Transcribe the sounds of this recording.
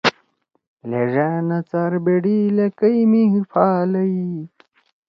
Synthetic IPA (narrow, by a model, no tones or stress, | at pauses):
leʐaːnɐt͡saɾbeɽilɐkɐjimiɦifʰaːlɐi